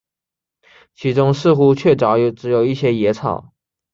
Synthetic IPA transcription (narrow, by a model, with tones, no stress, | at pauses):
t͡ɕʰi˧˥ʈ͡ʂʊ˥ŋʂɹ̩˥˧xu˥t͡ɕʰɥɛ˥˩ʈ͡ʂɑ˨˥ʊjʈ͡ʂɻ̩˧˥jo˨˩ʊi˥˩ɕjɛ˥jɛ˧˥t͡sʰɑ̰˨˩˦ʊ